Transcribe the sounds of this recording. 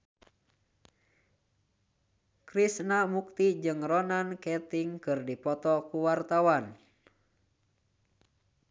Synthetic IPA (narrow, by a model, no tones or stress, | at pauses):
kɾisnamuk̚t̪id͡ʒɨŋrɔnankɛt̪iŋkɨrdipɔt̪ɔkuwart̪awan